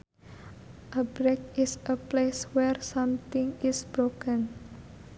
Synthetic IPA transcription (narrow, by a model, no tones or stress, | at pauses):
ʔəbɾekɪsəpleswɛrsãmt̪ɪ̃ŋisbɾokə̃n